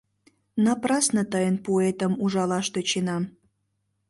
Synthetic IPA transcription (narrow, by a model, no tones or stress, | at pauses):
nɑprɑsnət̪əjənpoet̪əmuʒɑlɑʃt̪et͡ɕenɑ